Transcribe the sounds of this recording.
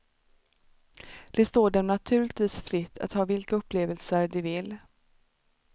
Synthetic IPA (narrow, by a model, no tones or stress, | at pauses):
d̪̥ɛst̪oːɖɛmnat̪ʰʉ̟ːlɪkt̪viːsfɾɪt̪ʰːa̰t̪hɑːvɪlkaɵpːleːvəlsəɾɖɪvɪl